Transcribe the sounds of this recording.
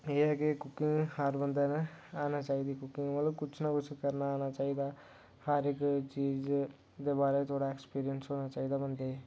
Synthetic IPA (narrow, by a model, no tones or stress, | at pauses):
eɦɛkekʊkːɪ̃ŋhaɾbə̃nd̪anaaːnat͡ʃaːid̪ikʊkɪ̃ŋɡmɐt̪ləbkʊt͡ʃʰnakʊt͡ʃʰkəɾnaːnat͡ʃaːid̪aː | haɾɪkt͡ʃiːz | d̪ebaːɾet̪ʰoːɽaekspiːɾijənsɦoːnat͡ʃaːid̪abənd̪eɛ